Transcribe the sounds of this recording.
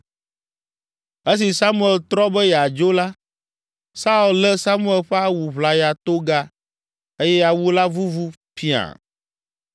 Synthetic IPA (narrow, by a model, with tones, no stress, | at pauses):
e˦s̬i˨sa˦mũ˦ɛ˨lt̪ɾɔ˦bɛ˦jɛ˨a˨d͡ʒo˦la˦ | sa˦u˨llɛ˦sa˦mũ˦ɛ˨lɸɛ˦a˦wu˨βla˨ja˨t̪o˦ɡa˦ | e˦jɛ˦ja˨wu˦la˦vu˦vu˦ | fi˦a̰˨